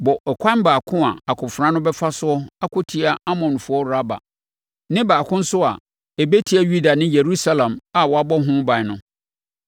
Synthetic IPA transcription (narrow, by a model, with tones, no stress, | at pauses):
bɔ˨ʔɛ˨kʷʰã˦n˦baː˨kʰʊ̃˦a˨a˨kʰʊ̃˨fɾã˦nʊ̃˦bɛ˦fa˦sʊ˦ɔ˦a˦kʰʊ˦tʰi˦a˦a˦mɔ̃˨n˨fʊ˨˦ɔ˦ɾa˦ba̰˨ | nɪ̃˦baː˨kʰʊ̃˦n̩˦sʊ˦a̰˨ | e˨be˦tʰi˦a˦ju˦da˨nɪ̃˦je˨ɾu˦sa˦lã˨ma˨wɔ˨a˨bɔ˦ɦʊ̃˦bã˨nʊ̃˦